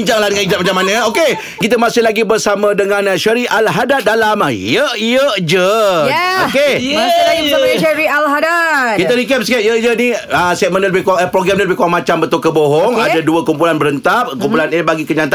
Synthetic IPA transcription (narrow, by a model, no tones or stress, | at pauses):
ɲd͡ʒaŋlahdəŋaniɲd͡ʒat̪̚mat͡ʃamːanə̃oke | kit̪əmasɪhlaɡibərsamə̃dəŋãnʃəɾiʔalɦadat̪̚dalamajəʔjəʔd͡ʒə | okemalaisaʃɛɾialɦadat̪kit̪əɾikɛp̚skɛt̪̚jəd͡ʒəniəsɛt̪̚mənələbɪhkapɾoɡɾamniləbɪhkuaŋmat͡ʃambət̪ʊlkəboɦɔŋadaduəkumpulanbəɾənt̪ap̚kumpulanibaɡikəɲãnt̪a